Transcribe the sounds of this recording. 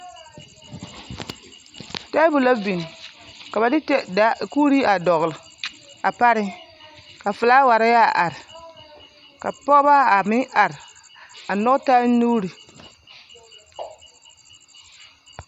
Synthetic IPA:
ta˦bu˨la˦vi˨n˨ka˨ba˨dɪ˦tɛ˦da˦kuː˦ɾi˦a˨dɔ˨ɣlɨ˨ | a˨pa˦ɾɪ˦ | ka˨fɨ˨la˦wa˨ɾa˦ja˦˨ʔa˨ɾɪ˨ | ka˨pɔ˦ba˦a˨mɪ˦ʔa˨ɾɪ˨ | a˨nɔ˦ɡta˦nu˦ɾi˨

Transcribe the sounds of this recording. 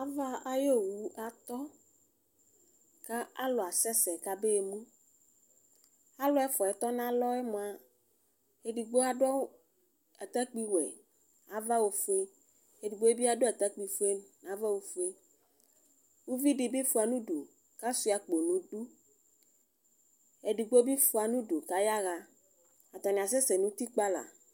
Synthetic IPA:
a˦va˦a˦jo˦˨wu˨˦a˨t̪ɔ˦ | ka˦a̰˦lɔ˨a˨sɛ˦sɛ˨ka˦be˦e˨mũ˦ | a˦lɔ˦ɛ˦fɔ˨ɛ˨t̪ɔ˦nã˦lɔ˦ɛ˦mɔ̃˨a˨ | e˦di˨ɡ͡bo˦a˨ɖɔ˦ | a˨t̪a˦k͡pi˦wɛ̰˨ | a˨va˦wo˨fu˦e˦ | e˨di˨ɡ͡bo˦e˦bi˦a˦ɖo˦a˨t̪a˦k͡pi˨fu˦e˦nã˨˦va˦wo˨fu˦e˦ | wu˦vi˦ɖi˨bi˦fu˨˦a˨nũ˦ɖo˨ | ka˦su˨˦a˨k͡po˨nũ˨du˦ | e˨ɖi˨ɡ͡bo˦bi˦fu˨a˨nũ˦ɖo˨ka˦ja˦ɣa˨ | a˨t̪ɔ˨nĩ˨a˨s̬e˦se˨nũ˦t̪i˦k͡pa˦la̰˨

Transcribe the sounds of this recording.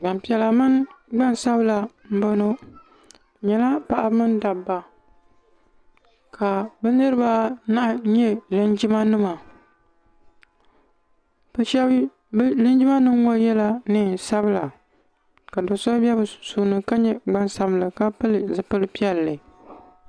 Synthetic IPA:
ɡ͡ba˨mpi˦˨ɛ˦la˨mɨ˦nɡ͡ba˦nsa˦bɨ˦la˨m̩˦bo˦no˦˨ | ɲɛ˨la˦pa˦ʔa˦mɨ˦nda˨bːa˨ | kʰa˨bɛ˦nɨ˦ɾɨ˦ba˦na˦ʔɲɛ˦lɨ˦nd͡ʒi˦ma˦nɨ˦ma˨ | bɨ˨ʃɛ˦b | blɨ˦nd͡ʒi˦ma˦nɨ˦ŋwo˦jɛ˦la˦nɨ˦sa˦bɨ˦la˨ | ka˨dɨ˨sɔ˦bɛ˦bsu˨nɨ˨ka˦ɲɛ˦ɡ͡ba˦nsa˦bɨ˦lɨ˨ka˦pɨ˦lɨ˨zɨ˨pɨ˦lɨ˦pi˦ɛ˨lːɨ˨

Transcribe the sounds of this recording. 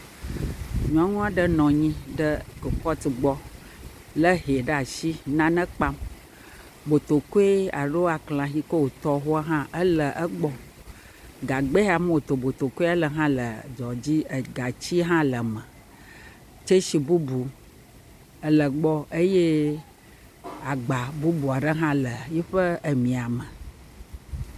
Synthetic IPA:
ɲũ˨a˦ŋũ˦a˨ɖə˦nɔ̃˨ɲĩ˦ɖə˦ko˨kɔ˦t̪i˨ɡ͡bɔ˦ | lə˦ɦe˨ɖə˦a˨ʃi˦nã˦nə̃˦k͡pa˦m | bo˨t̪o˨ko˦e˦a̰˨ɖo˦a˨klã˨xi˦ko˦wo˨t̪ɔ˦ɦo˦a˦ɦã˦ʔə˦lə˨ʔə˦ɡ͡bɔ˦ | ɡa˨ɡ͡be˦a˨m˦wo˨t̪o˨bo˨t̪o˨ku˦e˦a˦lə˨ɦã˦lə˨d͡ʒɔ˨d͡ʑi˦ə˨ɡa˨t͡ɕi˦ɦã˦lə˨mə̃˨ | t͡ʃe˦ʃi˨bu˦bu˨ | ə˨lə˨ɡ͡bɔ˦e˦je˦ | a˨ɡ͡ba˨bu˦bu˨a˨ɖə˦ɦã˦lə˨ji˦ɸə˦ə˨mĩ˨a˨mə̃˨

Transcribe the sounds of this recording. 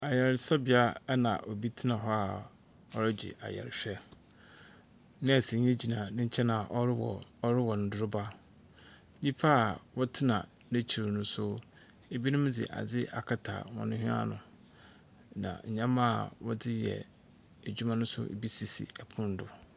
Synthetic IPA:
a˨jɛ˨ɾsɛ˦bɪ˨a˦nã̰˨ʔɔ˨bi˦tʰi˦nã˨ɦɔ˦a˨ | ɔ˦ɾɛ˦d͡ʑɪ̰˨ʔa̰˨jɛ̰˨ɾɕᶣɛ˦ | nɪ̃˦æ˨sĩ˨ɲ˦ɛ̃˦d͡ʑi˨nã˨nɪ̃˦ɲ̩˦t͡ɕʰɛ˦nã˨ʔɔ˦ɾwɔ˨ɔ˦ɾɪ˦wɔ˨n˨dʊ˦ɾʊ˦ba˦ | ɲĩ˦pʰa˦a˨wɔ˦tʰɪ˦nã̰˨ | nẽ˦t͡ɕʰi˨ɾɪ˨nʊ̃˦sʊ˦ | e˨bi˦nʊ̃˦m˦d͡zɪ̰˨ʔa̰˨d͡zɪ˦ʔa̰˨kʰa˦˨tʰa̰ː˨wɔ̰̃˨nʊ̃˦hᶣĩ˦a̰˦nʊ̰̃˨ | nã̰˨ɲ̩˨ɲã˦mã̰˦˨wɔ˦dɪ˦jɛ̰˨ | æ˨d͡ʑᶣu˦mã˦nʊ̃˦sʊ̰˦ʔḛ˨bi˦si˨sḭ˨ɛ˨pʰʊ̃˦n˦dʊ˨

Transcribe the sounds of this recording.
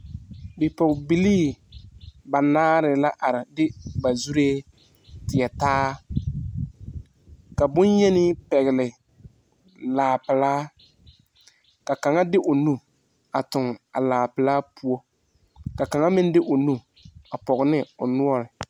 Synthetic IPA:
bɪ˨pɔ˨ɡbi˦liː˦ | ba˨naː˦ɾɪ˨la˦ʔa˨ɾɪ˨dɪ˦ba˨zu˦ɾeː˦ | tɪ˨ɛ˨taː˦ | ka˨bʊ˦njɛ˦nɪ˦pɛ˨ɣɪ˨lɪ˨ | laː˨pɪ˨laː˦ | ka˨ka˨ŋa˦dɪ˦ʔʊ˨nu˦ | a˨tʊ˨ŋa̰˨laː˨pɪ˨laː˦pu˦ɔ˦ | ka˨ka˨ŋa˦mɪ˦n˦dɪ˦ʔʊ˨nu˦ | a˨pɔ˨ɣnɪ˦ʊ˨nʊ˦ɔ˦ɾɪ˨

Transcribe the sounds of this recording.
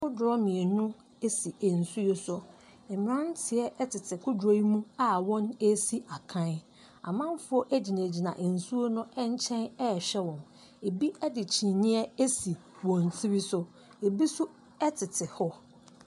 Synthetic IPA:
ʊ˦dʊ˨ɾɔ˦mɪ̃˨e˨nʊ̃˦ | e˦si˨e˨n̩˨su˦o˦sʊ˨ | m̩˨m˨ã˦n˦tʰɪ˨ɛ˦ʔɛ˦tʰɪ˨tʰɪ˨kʰʊ˦do˦i˦mũ˦a˨wɔ̃˦ne˦si˦a˨kʰã˦n | a̰˨mã˦m˦fʊ˦ɔ˦ʔe˦d͡ʑi˨nẽ˨d͡ʑi˨nã˨ʔe˨n̩˨su˦o˦nʊ̃˦ɛ˦ɲ˦t͡ɕʰɛ̃˦nɛ˦˨ɕɛ˦wɔ̃˨n | e˨bi˦ʔɛ˦dɪ˨t͡ɕʰĩ˨nĩ˦ɛ˦e˦si˨ | wɔ̃˨n˨tʰi˦ɾi˦sʊ˦ | e˨bi˦sʊ˦ | ɛ˦tʰɪ˨tʰɪ˨hɔ˦

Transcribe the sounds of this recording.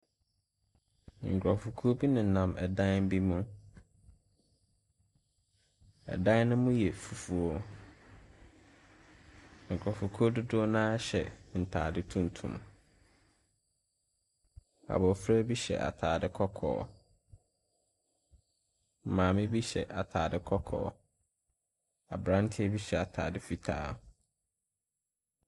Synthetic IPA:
ŋ̩˨kʰɾɔ˨fu˨kʰo˦bi˦nɪ̃˨n̩˨nã˨mʔɛ˨dã˦nm̩˦bi˦mũ˦ | ɛ̰˨dã˦n˦nʊ̃˦mʊ̃˦jɛ˨fu˨fu˨o˦ | ŋ̩˨kʰɾɔ˨fu˨kʰo˦dʊ˦dʊ˦nãː˦ɕɛ˨n̩˨tʰa̰ː˨dɪ˦tʰũ˦n˨tʰṵ̃˨m | a̰˨bɔ˨fɾa˦bi˦ɕɛ̰˨ʔa̰˨tʰaː˨dɪ˦kʰɔ˦kʰɔ̰ː˨˦ | m̩˨mãː˨mɪ̃˦bi˦ɕɛ̰˨ʔa˨tʰaː˨dɪ˦kʰɔ˦kʰɔ̰ː˨˦ | a̰˨bɾã˦n˦tʰɛ˦bi˦ɕɛ˨a˨tʰaː˨dɪ˦fi˨tʰa̰ː˦

